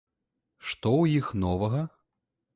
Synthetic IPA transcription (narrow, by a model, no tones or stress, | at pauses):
ʂt̪ɔwjixnɔvɐɣɐ